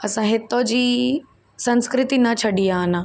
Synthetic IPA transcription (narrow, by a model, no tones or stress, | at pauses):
ɐsãɦɪt̪od͡ʑiː | sɐ̃nskɾɪt̪inɐt͡ɕʰɐɗiana